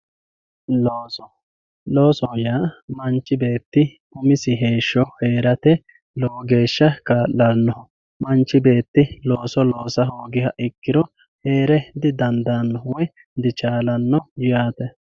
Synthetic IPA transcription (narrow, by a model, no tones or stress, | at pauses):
loːsɔjaːmɐnt͡ʃːɪbe̞ːt̪ːɪ | ʊmɪsɪɦe̞ːʃːɔheːɾɐt̪ɛ | loːɡe̞ːʃːɐkaːʔːɐnːɔhɔ | mɐnt͡ʃːɪbe̞ːt̪ːɪloːsɔloːsɐɦoːɡɪhɐʔɪkːɪɾɔ | he̞ːɾɛd̪ɪd̪ɐnd̪anːɔwɔ | d̪ɪt͡ʃaːlɐnːɔjʊjaːt̪ɛ